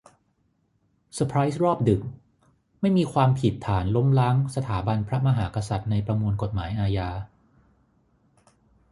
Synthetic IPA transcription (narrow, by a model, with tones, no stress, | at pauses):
sa˧pʰɾaː˦˥jsɾɔː˥˩p̚dɯ˨˩k̚ | ma˥˩jmiː˧kʰwaː˧mpʰi˨˩t̪ʰːaː˩˦nlo˦˥mlaː˦˥ŋsa˧t̪ʰaː˩˦ba˧npʰɾa˦˥ma˧ɦaː˩˦ka˧sa˨˩t̪̚na˧jpɾa˧mu˧nko˨˩t̪̚maː˩˦jʔaː˧jaː˧